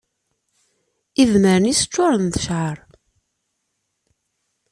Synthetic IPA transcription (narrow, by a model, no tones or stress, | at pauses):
ivməɾənisə̥t͡ʃːʊɾˤənðə̥ʃʕəɾˤ